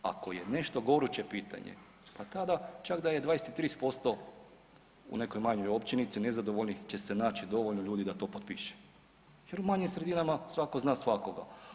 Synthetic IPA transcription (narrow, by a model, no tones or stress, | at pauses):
a̰ko̞je̞ne̞ʃt̪o̞ɡo̞ɾut͡ɕe̞piːt̪a̰ɲḛ | pat̪ad̪at͡ʃakd̪aje̞d̪ʋaːjeset̪it̪ɾiːspo̞st̪o̞ | ṵne̞kojmaɲojo̞pt͡ɕinit̪sine̞zad̪oʋoʎnixt͡ɕe̞se̞naːt͡ɕid̪o̞ʋoʎnoʎuːd̪id̪at̪o̞ːpot̪piʃe̥ | je̞ɾumaɲimsɾed̪inamasʋako̞znaːsʋako̞ɡa̰